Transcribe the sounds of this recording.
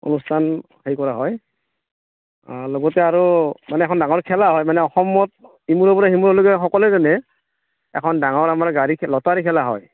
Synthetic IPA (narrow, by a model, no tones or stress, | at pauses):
o̰nustʰan | hejkɔɹaɦɔj | aloɡɔtɛaɹumanɛɛkʰɔndaŋɔɹkʰɛlaɦɔjmanɛɔxɔmɔthimuɹɔbɔɹahimuɹɔloɡɛxɔkɔlɛzɔnɛ | ɛ̰kʰɔndaŋɔɹamaɹɡaɹikʰlɔtaɹikʰɛlaɦɔ̰j